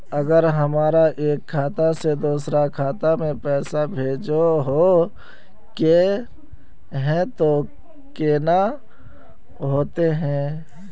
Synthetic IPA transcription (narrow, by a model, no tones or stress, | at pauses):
ɐɡəɾɦɐmaːɾaʔeːkʰːaːt̪ased̪uːsɾakʰaːt̪amẽpɛːsabʱeːd͡ʒoɦo | ke | ɦɛ̃t̪o | keːna | ɦoːt̪eɦɛ̃ː